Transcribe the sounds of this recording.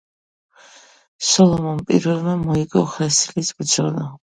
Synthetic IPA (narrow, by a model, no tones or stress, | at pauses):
sɔlˠɔmɔmpʼḭɾvɛlˠmɛmɔiɡʼɔχɛsilisbd̪zɔla